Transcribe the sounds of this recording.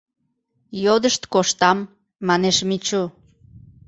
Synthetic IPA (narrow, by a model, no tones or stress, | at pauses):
jod̪əʃt̪koʃt̪ɑmː | ɑneʃmit͡ɕu